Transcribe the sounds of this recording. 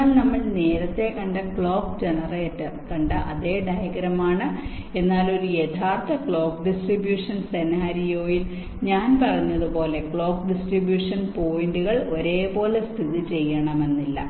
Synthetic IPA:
lnɐmːɐɭne̞ːɾɐt̪ːe̞kɐɳɖɐkɭo̞ːkd͡ʑenɐreːtːɐmkɐɳɖɨʔɐðe̞ːɖɐjɐɡɾɐmaːɳɨ | e̞nːaːlo̞ɾujet̪ʰaːrt̪ʰːɐkɭo̞ːkɖisʈribjuːʂɐnse̞naːɾijo̞ːjil | ɲaːnpɐrɐɲːɐðupo̞ːle̞kɭo̞ːk̚ɖisʈribjuːʂɐnpo̞ːjiɳɖuɣɐɭo̞ɾe̞ːpo̞ːlest̪ʰiðit͡ɕe̞jːɐɳɐme̞nːilːɐ̰

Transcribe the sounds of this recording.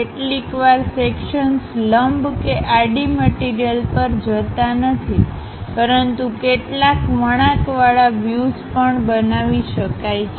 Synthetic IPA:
eʈlikʋaɾsekʃənsləmbkeʔaɖiməʈiɾijəlpəɾd͡ʒət̪anət̪ʰi | pəɾənt̪ukeʈlakʋəɽ̃akʋaɭaʋjuzpəɳbənaʋiʃəkaj

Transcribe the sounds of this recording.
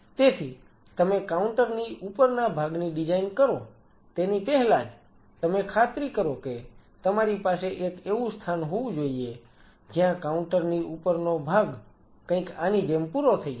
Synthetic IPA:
t̪et̪ʰi | t̪əmekauɳʈəɾniupəɾnabʱaɡniɖid͡ʒainkəɾo | t̪enipɛɦlad͡ʒ | t̪əmekʰat̪ɾikəɾoket̪əmaɾipaseʔekeʋũst̪ʰanɦoʋũd͡ʒoie | d͡ʒjãkauɳʈəɾniupəɾnobʱaɡ | kə̃ɪ̃kaniɖempuɾot̪ʰəi

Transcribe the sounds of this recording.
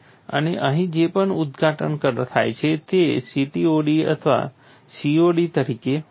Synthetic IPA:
ə̰neʔəɦĩd͡ʒepəɳud̪ɡʱaʈənkəɾt̪ʰa̰jt͡ʃʰet̪esiʈioɽiə̰t̪ʰəʋa̰ | sioɖit̪əɾike

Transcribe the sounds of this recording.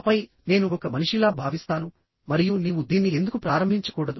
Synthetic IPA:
pɐj | ne̞ːnuɔkɐmɐniʂilaːbʱaːʋist̪aːnu | mɐɾijuniːʋud̪iːnːie̞nd̪ukupɾaːɾɐmbʱiɲt͡ʃɐ̥kuːɽɐd̪u

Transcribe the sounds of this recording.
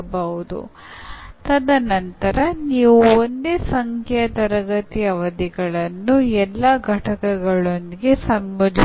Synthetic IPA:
bɐʋud̪ṵ | t̪ɐd̪ɐnɐnt̪ɐɾɐniːʋuond̪esɐŋkʰɐt̪ɐɾɐɡɐt̪ijɐʋɐd̪iɡɐɭɐnːuɛlːɐɡʱɐʈɐkɐɡɐɭond̪iɡe̞sɐmbɐd͡ʒʱ

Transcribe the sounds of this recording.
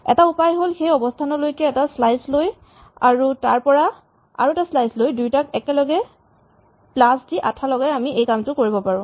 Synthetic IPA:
ɛ̰taupajɦolxejɔbɔstʰanɔlojkɛːtaslajsloj | aɹutaɹpɔɹa | a̰ɹuɛtaslajslojdujtakɛkɛlɔɡɛ | plasdiʔatʰalɔɡajamiejkamtʊkoɹibɔpaɹʊ̃

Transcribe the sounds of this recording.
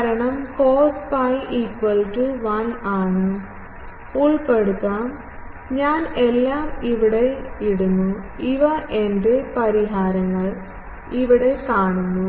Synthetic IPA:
ɾɐɳɐmko̞ːspɐjʔikʋɐlʈuʋɐnaːɳɨ | uɭpe̞ɽut̪ːaːm | ɲaːne̞lːaːmiʋiɽe̞iɽunːuiʋɐʔe̞ndepɐɾiɦaːɾɐŋːɐɭ | iʋiɽe̞kaːɳunːu

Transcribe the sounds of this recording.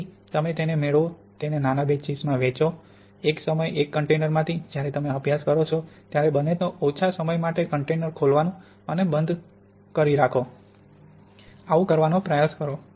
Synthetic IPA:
t̪əmet̪enemeɭʋot̪enenanabet͡ʃid͡ʒmãʋet͡ʃo | eksəməjekːəɳʈenəɾmãt̪ʰid͡ʒjaɾɛt̪əmeəbjaskəɾot͡ʃʰot̪jaɾebənenoot͡ʃʰasəməjmaʈekəɳʈenəɾkʰolʋanũ | ənebənd̪ʱ | kəɾiɾakʰo | aʋũkəɾʋanopɾəjaskəɾo

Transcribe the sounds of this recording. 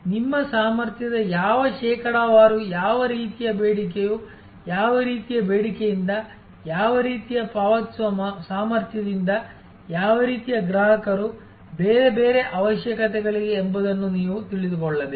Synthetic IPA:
nimːɐsaːmɐɾt̪jɐd̪ɐjaːʋɐʃɛːkɐɽaʋaːɾujaːʋɐɾiːt̪ijɐbeːɽikeju | jaːʋɐɾiːt̪ijɐbeːɽikejind̪ɐ | jaːʋɐɾiːt̪ijɐpaːʋɐt̪ɐsaːmɐɾt̪ʰjɐd̪ind̪ɐ | jaːʋɐɾiːt̪ijɐɡɾaːɦɐkɐɾu | beːɾebeːɾe̞ʔɐʋɐʃjɐkɐt̪ɛɡɐɭiɡeːmbɐd̪ɐnːuniːʋut̪iɭid̪ukɔɭːɐd̪e

